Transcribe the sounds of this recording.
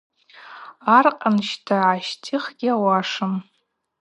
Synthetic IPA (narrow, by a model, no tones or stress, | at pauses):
arqʼanʃtʰaʕaʃtʰɪχɡʲɪawaʂɨm